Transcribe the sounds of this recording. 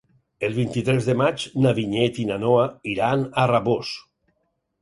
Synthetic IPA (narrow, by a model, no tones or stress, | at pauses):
elˠβint̪it̪ɾɛzðemat͡ʃnaβiɲɛt̪inanoaiɾanaraβos